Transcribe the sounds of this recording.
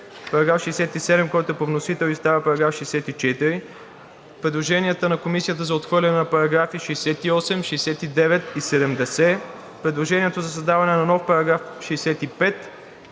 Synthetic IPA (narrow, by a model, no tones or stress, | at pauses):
pɐɾɐɡɾafʃɛjsɛt̪isɛd̪ɛmkɔjt̪oɛpovnosit̪ɛlˠist̪avəpɐɾɐɡɾafʃɛjsɛt̪it͡ʃɛt̪iɾi | pɾɛd̪lˠoʒɛniət̪ənɐkomisijət̪əzɐot̪xvɤɾlʲɐnɛnɐpɐɾɐɡɾafiʃɛjsɛt̪iɔsɛmʃɛjsɛt̪id̪ɛvɛt̪isɛd̪ɛmd̪ɛsɛ | pɾɛd̪lˠoʒɛniɛt̪ozɐsɐzd̪avɐnɛnɐnɔfpɐɾɐɡɾafʃɛjsɛt̪ipɛt̪